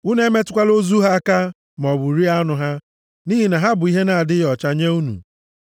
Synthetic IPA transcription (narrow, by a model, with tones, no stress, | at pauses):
u˦ne˦me˦tʊ˨kʷa˦lo˦zu˦ɦa˦a˦ka˦ | m˨ɔ˨bu˨ɾi˦a˦nʊ˨ɦa˦ | ni˦ɦi˨na˨ɦa˦bʊ˨i˦ɦe˦na˨a˨dɪ˦jɔ˨t͡ʃa˦ɲe˦u˦nṵ˨